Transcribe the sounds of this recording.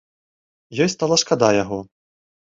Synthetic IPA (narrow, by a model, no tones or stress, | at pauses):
jɔjst̪alˠɐʂkad̪ajaɣɔ